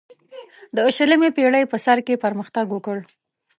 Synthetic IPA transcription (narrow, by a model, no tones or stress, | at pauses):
d̪əːʃələmepeɽəjpəsaɾkepəɾməxt̪aɡwəkəɽ